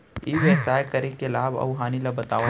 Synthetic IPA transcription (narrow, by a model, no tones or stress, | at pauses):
iːʋeːsaːjkəɾekelaːbɐ̰ʊɦaːnilabɐt̪aː